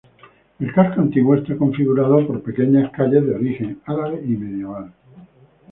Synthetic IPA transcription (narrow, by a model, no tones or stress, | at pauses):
e̞lkaskont̪iɣwest̪eko̞ɱfiɣuɾað̞opo̞ɾpe̞ke̞ɲaskaʎezðeo̞ɾixe̞ŋalaβeime̞ðjeβ̞al